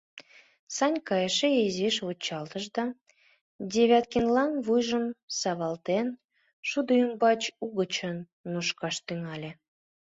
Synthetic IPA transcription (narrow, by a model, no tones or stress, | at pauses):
sɑnʲkɑjəʃeeziʃvut͡ɕːɑlt̪əʒd̪ɑ | dʲeβʲɑt̪̚kenlɑnβujʒəmsɑβɑlt̪en | ʃud̪əymbɑt͡ɕuɣət͡ɕənː | uʃkɑʃt̪yŋɑlʲe